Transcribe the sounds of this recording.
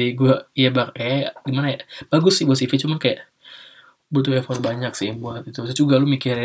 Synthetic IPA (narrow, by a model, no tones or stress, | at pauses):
iɡuaijabaɾkajaɡimanajab̥aɡʊsːɪhbuat̪sifit͡ʃumankajaʔ | but̪uɛfɔt̪̚baɲaksɪbuat̪it̪usɛt͡ʃuɡalumikɪɾ